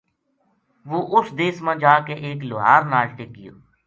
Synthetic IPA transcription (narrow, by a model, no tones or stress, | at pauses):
ʋoːʔʊsd̪eːsmãːd͡ʒaːkeʔeːkloɦaːɾnaːlʈekːɪjo̰ː